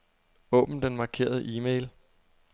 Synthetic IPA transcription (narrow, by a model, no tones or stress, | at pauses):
ɔ̽ːb̥n̩d̥enmɑ̈ːkʰe̝̰ːɐð̞ˠəʔiːmeɪl